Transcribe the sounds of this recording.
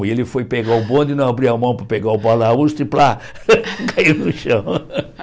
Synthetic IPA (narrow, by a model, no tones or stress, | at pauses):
ɪelɪfojpeɡaʊbõd̪ʊɪnɐ̃w̃abɾiamɐ̃w̃pɾɐpeɡaʊbalauʃt̪ɪpla | kainʊʃɐ̃w̃